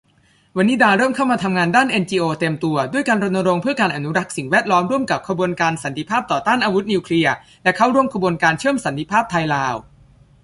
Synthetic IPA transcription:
wa˧nːiː˦˥daː˧ɾɤː˥˩mkʰa˥˩wmaː˧t̪ʰa˧mŋaː˧ndaː˥˩nʔe˧nt͡ɕiː˧ʔoː˧t̪e˧mt̪u˧ɐdu˥˩əjkaː˧nɾo˧nːa˧ɾo˧ŋpʰɯ˥˩ɐkaː˧nʔa˧˩nu˦˥ɾa˦˥k̚si˨˩ŋwɛː˥˩t̪̚lɔː˦˥mɾu˥˩əmka˨˩p̚kʰɾa˧bu˧ənkaː˧nsa˨˩˦nt̪ʰi˧pʰaː˥˩p̚t̪ɔː˨˩t̪aː˥˩nʔaː˧wu˦˥t̪̚niː˧wkʰli˧ɐ | lɛ˦˥kʰa˦˥wɾu˥˩əmkʰa˧bu˧ənkaː˧nt͡ɕʰɯ˥˩əmsa˩˦nt̪i˧˥pʰaː˥˩p̚t̪ʰa˧jlaː˧w

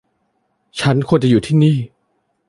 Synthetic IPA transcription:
t͡ɕʰa˦˥nkʰu˧ənt͡ɕa˨juː˨˩t̪ʰiː˥˩niː˥˩

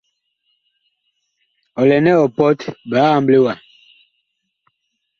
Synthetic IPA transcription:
ɔ˨lɛ˨nɛ˦ɔ˨pɔ˦tbaː˨˦a˨mble˦wa˨

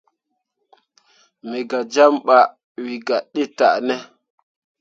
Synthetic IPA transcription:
me˨ɡa˨d͡ʒa˦mɓa˨ | wi˨ɡa˨ɗe˦ta̰˨ʔnɛ˦

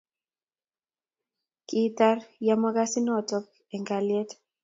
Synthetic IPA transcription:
ki˦ta˦rja˨ma˦ɡa˦sɪ˦nɔ˦tɔ˦k | ɛ˨ŋɡa˨lje˦t

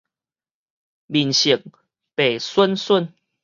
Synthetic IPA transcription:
mi˨˩nɕi˨˩ŋ̚ | pe˨˩swə˦nsə˥˨n

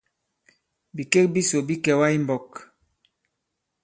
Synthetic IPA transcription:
bi˨ke˦k̚bi˦so˨bi˦kɛ˨wa˦i˦mbɔ˨k

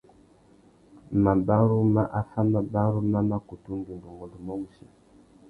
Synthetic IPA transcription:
ma˨ba˦ɾu˦ma˦ʔa˦fa˦ma˨ba˦ɾu˦ma˦ma˦ku˨tu˦ndu˨ndu˨ŋo˨lu˨mɔ˦ɡu˨si˨

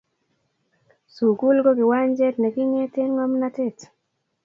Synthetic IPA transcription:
su˨ku˦lɡo˦ɡɪ˨wa˦ɲd͡ʒɛ˦tnɛ˨ɡɪ˦ŋɛ˦tɪ˦nŋɔ˦mna˦te˦˨t

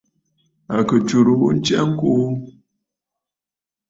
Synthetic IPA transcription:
a˨kə˨t͡ʃu˨ɾu˨wṵ˦n̩˦t͡ʃɛ˦ŋ̩˦ko˦

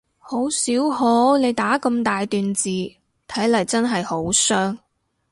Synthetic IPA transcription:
ho˨˥wsiː˨˥who˨˥wne˨˧jt̪aː˨˥kɐ˧mt̪aː˨jt̪yː˨nt͡siː˨ | t̪ʰɐ˨˥jlɐ˨jt͡sɐ˥nɦɐ˨jho˨˥wsœː˥ŋ

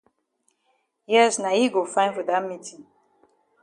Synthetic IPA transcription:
jɛ˦sna˨ji˦ɡo˨fãɪ̃nfə˨da˦mitʰĩ˨ŋ

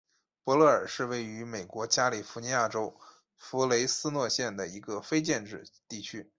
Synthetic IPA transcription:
pwɔ˧˥lɔ˥˩ə˞˨˩ʂɻ̩˥˧we˥˩ɪy˧˥me˨˩ɪkwɔ˧˥t͡ɕja˥li˨˩fu˧˥ni˧˥ja˥˩ʈ͡ʂo˥ʊ | fu˧˥le˧˥ɪsɹ̩˥nwɔ˥˧ɕjɛ˥˩nd̪ə˩i˧˥ɡə˧fe˥ɪt͡ɕjɛ˥˧nʈ͡ʂɻ̩˥˧t̪i˥˩t͡ɕʰy˥

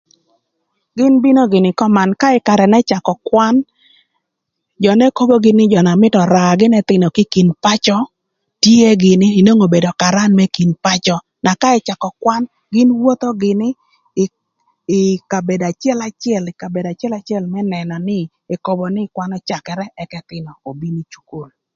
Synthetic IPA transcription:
ɡɪ˦nbi˦no˦ɡɪ˨nɪ˨kɔ˦ma˨nka˦ɪ˦ka˨ɾɛ˨nɛ˦t͡ʃa˨kɔ˨kwa˦n | d͡ʒɔ˨nɛ˦ko˦bo˦ɡɪ˦nɪ˦d͡ʒɔ˨na˨mɪ˦tɔ˨ɾa˨ɡɪ˦nɛ˦t̪ɪ˨no˨kɪ˦ki˨npa˦t͡ʃɔ˦ | tje˦ɡɪ˨nɪː˦˨no˦ŋo˨be˨do˨ka˨ɾa˦nmɛ˦ki˨npa˦t͡ʃɔ˦ | na˨ka˦ɛ˦t͡ʃa˨kɔ˨kwa˦n | ɡɪ˦nwo˦t̪o˦ɡɪ˨nɪ˦˨ | ɪ˨ka˨be˨da˨t͡ʃjɛ˦la˨t͡ʃjɛ˨lɪ˨ka˨be˨da˨t͡ʃɛ˦la˦t͡ʃɛ˦lmɛ˦nɛ˨nɔ˨nɪ˦ | e˨ko˦bɔ˨nɪ˦kwa˦nɔ˦t͡ʃa˨kɛ˨ɾɛ˦ʔɛ˦kɛ˦t̪ɪ˨nɔ˨o˨bi˦ni˦t͡ʃu̥˨ko˨l

